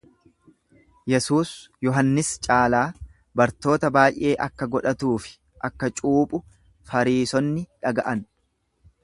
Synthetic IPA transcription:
jɛsuːsjɔɦɐnːɪst͡ʃʼaːlaː | bɐɾt̪o̞ːt̪ɐbaːjʔe̞ːʔɐkːɐɡɔᶑɐt̪uːfɪ̥ | ʔɐkːɐt͡ʃʼuːpʼʊ | fɐɾiːsɔnːɪᶑɐɡɐʔɐn

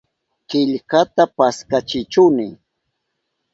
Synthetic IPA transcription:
kɪʎkat̪apaskat͡ʃɪt͡ʃʊnɪ

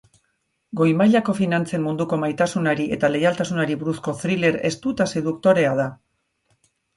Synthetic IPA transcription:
ɡo̞jmajʎako̞finant͡se̞mmund̪uko̞majt̪asunaɾiʔe̞t̪ale̞jalt̪asunaɾiβuɾusko̞θɾile̞ɾe̞st̪ut̪ase̞ðukt̪o̞ɾe̞aða

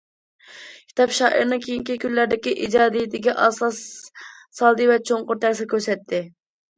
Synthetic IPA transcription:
kʲʰi̥t̪ɑpʃɑːʔḭɾnɨŋkʲʰejiŋkʲikʲʰyllæɾd̪ɪkʲiʔid͡ʒɑːd̪ijd̪ɪɡʲɛʔɑslˠɑsː | ɑlˠd̪ɨvɛt͡ʃʰoɴqʊɾt̪ʰæɾsɪkʲʰøɾsɛt̪ʰːɪ

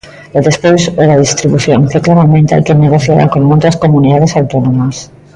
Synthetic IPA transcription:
oðespojsoðaðist̪ɾiβuθjoŋkeklaβamẽnt̪a̰lkeneɣoθjaβa̰konmolt̪askomuniðað̞esawt̪onõmas

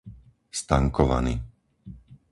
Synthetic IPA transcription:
st̪aŋkɔʋa̰nḭ

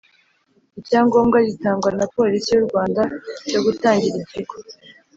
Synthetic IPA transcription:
iɾcaːŋɡo̞ːmɡaɟitaːŋɡwanapo̞ːlisijuɾɡwaːndaco̞ɡutaːŋɟiɾimciɡo

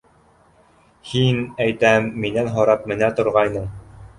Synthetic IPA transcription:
hinæjt̪æmːinænɦoɾɑp̚mɘ̆næt̪ŏɾʁɑjnɤɴ

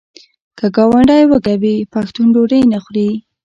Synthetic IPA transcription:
kəɡɑwaɳɖajwəɡabipaxt̪unɖoɾəjnaxɾi

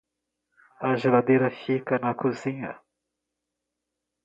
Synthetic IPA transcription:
ɐʒelad̪ejɾɐfikɐnɐkuzĩɲɐ̰

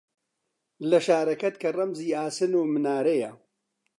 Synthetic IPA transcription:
lɐʃaːɾɐkɐt̪̚kʰɐrɐmziːaːsɨnuːmɨnaːɾejɐ

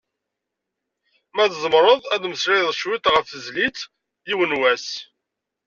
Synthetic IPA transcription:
mæðzˤəmɾˤəðˤæðməsɾɪðˤʃwit̪ʁəfθəzlit͡s | jiwənwæs

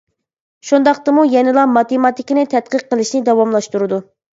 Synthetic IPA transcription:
ʃund̪ɑqt̪ɨmujɛnɪlˠɑmɑt̪emɑt̪ɪkʲinɪt̪ʰɛt̪̚qəq̚ːəlˠɨʃnɪd̪ɑwɑmlˠɑʃt̪uɾɨd̪u

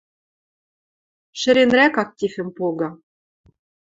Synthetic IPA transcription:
ʃɘ̆ɾenɾækɑk̚t̪ʲifɘ̆mpoɡɑ̆

